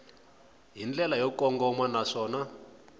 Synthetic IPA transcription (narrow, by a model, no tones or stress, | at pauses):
ɦind͡ɮɛlajɔkɔŋɡɔmwanaʂɔːna